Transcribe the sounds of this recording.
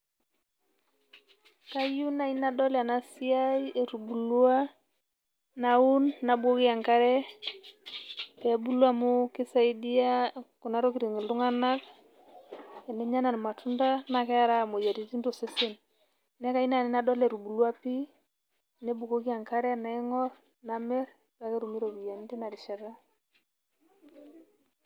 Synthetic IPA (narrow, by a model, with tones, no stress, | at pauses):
ka˦ju˦na˨i˦na˦dɔ˦lɛ˨a˨na˦si˦a˦ie˨ɾu˨bu˨lu˦a˦ | na˨u˦nːa˨bwo˦ki˦a˨ŋka˦ɾɛ˦ | pe˨˦bu˦lwa˦mu˦kɪ˦sa˦i˦di˦a˦ku˨na˦ɾo˦ki˨ɾi˨ŋi˨ldu˦ŋa˦na˦k | e˨ne˦ɲa˦na˨n˨ma˨tʰu˦nda˦na˨kɛ˦a˦ɾa˦˨mo˨ja˨ti˨ti˦ndo˨si˦si˦n | ne˦ka˦i˦na˨ni˦na˦dɔ˦le˨ɾu˨bu˨lu˦a˦pi˦ | ne˦bu˨ko˦ki˦a˨ŋka˦ɾɛ˦na˨ɛ˦ŋɔ˦ɾ | na˨mɛ˦ɾ | ka˨˦ke˦ɾu˨mi˦ɾo˨ki˨ja˨n˦ti˦na˨ɾi˨ʃɛ˨ɾa˦